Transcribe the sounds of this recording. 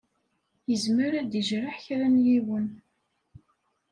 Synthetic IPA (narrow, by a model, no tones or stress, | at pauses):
jəzməɾæd̪əʒɾaħçɾænjiwən